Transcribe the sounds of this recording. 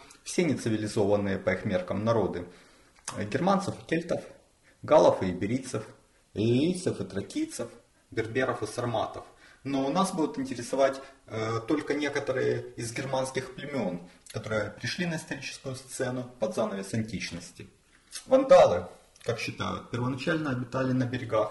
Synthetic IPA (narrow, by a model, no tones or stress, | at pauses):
fsʲenʲɪt̪sɨvʲɪlʲɪzo̞vənːɨjəpɐixmʲerkəmnɐɾo̞d̪ɨ | ɡʲɪrmant̪səfɨ̥kʲelʲt̪əf | ɡalˠəfɨɪbʲɪɾʲit̪səfʲ | ijt̪səfɨt̪ɾɐkʲijt̪səf | bʲɪrbʲeɾəfɨsɐrmat̪əfnonasbud̪ʊt̪ɪnʲtʲɪɾʲɪsɐvatʲt̪o̞lʲkənʲe̞kət̪əɾɨjəɪzɡʲɪrmanskʲɪxplʲɪmʲɪo̞nkɐt̪o̞ɾɨjəpɾʲɪʂlʲinəɪst̪ɐɾʲit͡ɕɪ̥skʊjʊst̪sɛnʊpɐd̪zanəvʲɪsɐnʲtʲit͡ɕnəsʲtʲɪ | svɐnd̪alˠɨkakɕːɪt̪a̰jʊ̰t̪̚pʲɪrvənɐt͡ɕælʲnəɐbʲɪt̪alʲɪnəbʲɪɾʲɪɡax